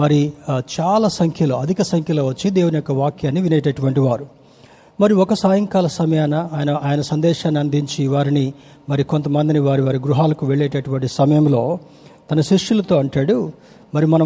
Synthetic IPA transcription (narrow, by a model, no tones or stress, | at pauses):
mɐɾit͡ʃaːlaːsɐŋkʰjɐlo̞ːɐd̪ʱikɐsɐŋkʰjɐlo̞ːʋɐt͡ʃːid̪ɛːʋunɐjɔkːɐʋaːkjaːnːiʋineːʈɐʈuʋɐɳʈiʋaːɾu | mɐɾiɔkɐsaːjɐŋkaːlɐsɐmɐjaːnɐːjɐnɐʔaːjɐnɐsɐnd̪ɛːʃaːnːiɐnd̪ʱiɲt͡ʃiʋaːɾini | mɐɾiko̞nt̪ɐmɐnd̪iniʋaːɾiʋaːɾiɡɾuɦaːlɐkuʋeɭːeːʈɐʈuʋɐɳʈisɐmɐjɐmlo̞ː | t̪ɐnɐʃiʂjulɐt̪o̞ːɐɳʈaːɽu | mɐɾimɐnɐm